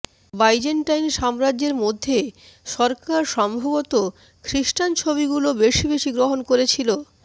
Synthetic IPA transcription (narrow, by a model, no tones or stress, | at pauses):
bajd͡ʑeɳʈajnʃamɾad͡ʑeɾmod̪ʱːe | ʃɔɾkaɾʃɔmbʱabot̪o | kʰɾiʃʈant͡ɕʰoβiɡulobeʃibeʃiɡɾoɦonkoɾet͡ɕʰilo